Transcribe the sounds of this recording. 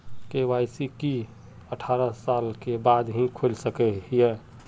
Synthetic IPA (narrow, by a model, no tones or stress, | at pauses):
kewajsiki | əʈʰaɾəsalkebad̪ɦĩkʰolsəkɛɦije